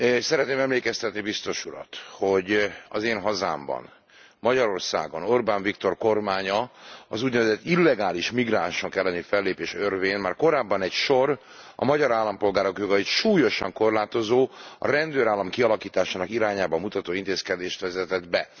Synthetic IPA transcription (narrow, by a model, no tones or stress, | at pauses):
sɛɾɛt̪neːmɛmleːkɛst̪ɛt̪nibist̪o̞ʃuɾɒ̰t̪ho̞ɟɒzeːnɦɒza̰ːmbɒ̰n | mɒɟɒɾo̞rsa̰ːɡono̞rbaːɱvikt̪o̞rko̞rmaːɲɒɒzuɟnɛvɛzɛt̪ːilːɛɡaːliʃmiɡraːnʃoŋkɛlːɛnifɛlːeːpeːʃørveːnmaːrko̞ɾaːbːɒnɛcʃo̞r | ɒ̰mɒɟɒɾaːlːɒmpo̞lɡaːɾo̞kjo̞ɡɒit̪ʃuːjo̞ʃɒŋko̞rlaːt̪o̞zoːɒ̰ɾɛnd̪øːɾaːlːɒmkiɒlɒkiːt̪aːʃaːnɒkiɾaːɲaːbɒmːut̪ɒt̪oːint̪eːskɛd̪eːʃt̪ʋɛzɛt̪ɛd̪bɛ